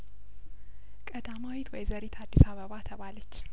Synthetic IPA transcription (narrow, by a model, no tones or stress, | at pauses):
kʼəd̪amawit̪ʰwɔjzəɾit̪ʰad̪ːisaβəβat̪ʰəβalət͡ʃː